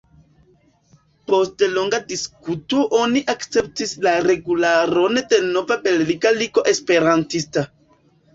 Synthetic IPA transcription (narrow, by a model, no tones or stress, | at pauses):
po̞stelo̞ŋɡadiskutoʔo̞niʔakt͡se̞p̚tislaɾe̞ɡulaɾo̞nedeno̞vabe̞lliɡaliɡo̞ʔespe̞ɾantista